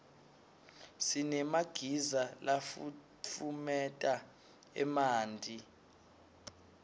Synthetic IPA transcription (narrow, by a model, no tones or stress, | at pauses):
sinɛmaɡ̥ʱizalafu | t͡fʰumɛtʼa | ɛ̰maːndʱi